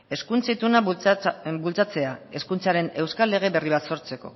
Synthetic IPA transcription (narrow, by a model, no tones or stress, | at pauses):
e̞skunt͡sit̪una | bult͡sat͡se̞ae̞skunt͡saɾe̞ne̞wskalːe̞ɣ̞e̞βe̞riβ̞at̪so̞ɾt͡se̞ko̞̰